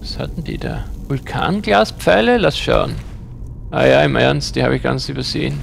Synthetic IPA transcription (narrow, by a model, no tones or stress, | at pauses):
asha̰tn̩d̥ḭːdaːvʊlkʰa̰ːnɡlaːspp͡fɛɪləlasʃa̰ʊn | ʔaːjaːɪmʔɛɐnsd̥iːhaːbɪçɡ̥a̰nt͡syːbɐzeːən